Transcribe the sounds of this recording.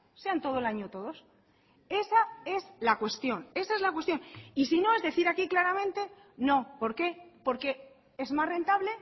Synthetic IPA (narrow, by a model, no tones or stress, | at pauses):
se̞ant̪o̞ð̞oelaɲot̪oðo̞s | e̞sae̞zlakwe̞st̪jo̞ne̞saezlakwet̪jonisino̞e̞zðe̞θiɾakiklaɾamẽnt̪e̞ | nõ̞po̞ɾke̞po̞ɾke̞ | e̞zmasre̞nt̪aβle̞